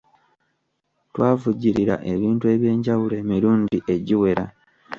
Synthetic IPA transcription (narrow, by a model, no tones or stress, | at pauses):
twaːvuɟiɾiɾa̰ʔe̞βiːntue̞ːβje̞ːɲɟawule̞ːmiɾuːɲdiʔe̞ɟiwe̞ɾa̰